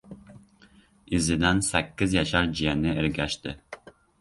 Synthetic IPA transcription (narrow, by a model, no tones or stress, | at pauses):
izɪd̪ɛnsɛkʲːɪzjɑʃɑɾd͡ʒijɛnɪɪɾɡʲɛʃt̪ɪ